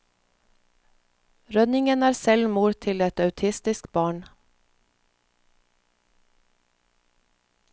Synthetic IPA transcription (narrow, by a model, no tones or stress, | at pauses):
ɾœnɪŋənæːɾsɛlmuːɾt̪ʰɪlɛt̪ɑʉt̪ʰɪst̪ɪskbɑːɳ